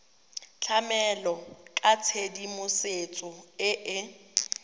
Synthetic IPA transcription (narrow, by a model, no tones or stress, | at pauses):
t͡ɬʰamɛlɔkʼat͡sʰedimʊset͡sʼʊɪʔɪ